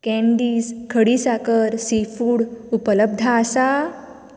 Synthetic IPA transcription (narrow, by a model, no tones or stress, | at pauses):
kɛ̃ɳɖiːskʰəɽiːsakəɾsifuːɽupələb̚d̪ʱaːsa